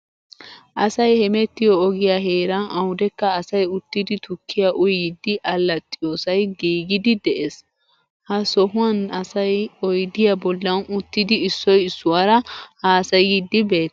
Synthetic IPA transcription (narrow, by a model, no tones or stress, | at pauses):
ʔɐsɐjhɛmɛt̪ːɪjɔːɡɪjaɦe̞ːɾɐʔɐwd̪ɛkːɐːsɐjʊt̪ːɪd̪ɪt̪ʊkʰːɪjaʔʊjɪd̪ːɪʔɐlːɐt̪ʼːɪjoːsɐjɡiːɡɪd̪ɪd̪ɛʔes | hɐsɔɦʊɐnɐsɐjɔjd̪ɪjabɔlːɐnʊt̪ːɪd̪ɪːsːɔjɪsːʊwɐɾɐhaːsɐjid̪ːɪbe̞ːt̪ː